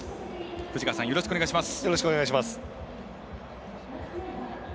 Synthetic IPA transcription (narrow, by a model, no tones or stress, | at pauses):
ɸɯ̟d͡ʑikasãjo̞ɾoɕi̥kɯoneaiɕ̬imasɨ̥jo̞ɾo̞ɕi̥kɯoneɡaɕ̬imasɨ̥